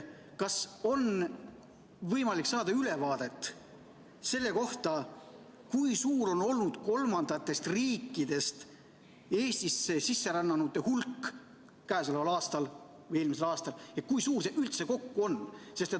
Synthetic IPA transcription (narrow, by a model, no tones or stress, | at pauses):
kɑso̞n | vɤjmɑlikːsɑːd̪ɑyle̞vɑːd̪̥e̞t̪ːˑ | se̞lːe̞ko̞ht̪ɑ | kujsuːɾo̞no̞lnud̪̥ko̞lmɑnd̪̥ɑt̪ːˑe̞st̪riːkːˑid̪e̞st̪ | e̞ːsʲt̪isːe̞sisːe̞ɾɑnːɑnut̪ːehulkˑː | æːsolevɑlɑːst̪ɑl | vɯjelmise̞lɑːst̪ɑljekujsuːrseʔylt̪se̞ko̞kːuo̞nːse̞st̪et̪